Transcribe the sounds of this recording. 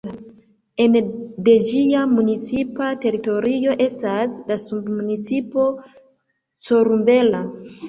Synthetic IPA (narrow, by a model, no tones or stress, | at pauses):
e̞nde̞d͡ʒiamunit͡sipate̞ɾito̞ɾijo̞ʔe̞staslasubmunit͡sipo̞ | t͡so̞ɾumbe̞la